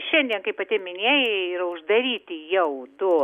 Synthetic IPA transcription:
ʃʲɛnʲd̪ʲiɛnkɐɪpɐt̪ʲɪmʲɪnʲeːjɪiːɾɐʊʒd̪ɐɾʲiːt̪ʲɪjɛʊd̪oː

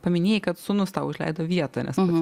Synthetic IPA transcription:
pɐmʲɪnʲeːjɪkɐt̪sʊnʊst̪ɑʊɪʒʲlʲɛ̰ɪd̪oːʋʲiɛt̪ɐnʲɛ̰s

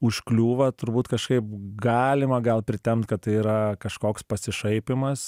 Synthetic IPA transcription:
ʊʃklʲuːʋɐt̪ʊɾbuːt̪kɐʃkɐɪp̚ɡɑːlʲɪmɐɡɐlˠpʲɾʲɪt̪ʲɛmt̪kɐt̪t̪ɐɪiːɾɐkɐʃkoːkspɐsʲɪʃɐɪpʲɪmɐs

